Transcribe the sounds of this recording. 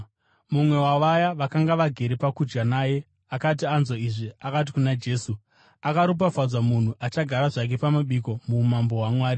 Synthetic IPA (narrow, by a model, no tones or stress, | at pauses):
mumwe̞waʋajaʋakaŋɡaʋaɡʱe̞ɾepakud͡ʒɡanaːje̞ | akat̬ianzo̞iʐiakat̬i̥kunad͡ʒe̞ːsu | akaɾup̬afad͡zamun̤uʔat͡ʃaɡʱaɾaʐak̬e̞pamaɓiko̞mumambo̞ɦwamwaːɾi